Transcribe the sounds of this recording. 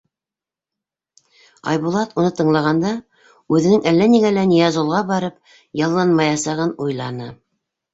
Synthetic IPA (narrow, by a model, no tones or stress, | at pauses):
ɑ̰jbulˠɑt̪unɤt̪ɤ̆ɴlˠɑʁɑnd̪ɑ | ʉðɘ̆nɘŋʔælːæniɡælænijæzolˠʁɑbɑɾɤp̚ | jɑlˠːɑnmɑjɑsɑʁɤnujlˠɑnɤ